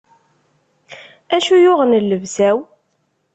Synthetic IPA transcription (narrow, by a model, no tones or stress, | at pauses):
æʃujʊʁnəlːəvsæw